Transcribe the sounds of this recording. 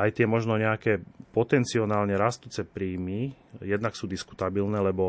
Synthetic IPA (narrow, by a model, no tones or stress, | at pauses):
ajt̪ɪɛmɔʒnɔɲɛakɛːpɔt̪ɛnt͡siɔnaːlɲɛɾast̪uːt͡sɛpɾiːmijɛd̪naksuːd̪isku̥t̪abilnɛːlɛbɔ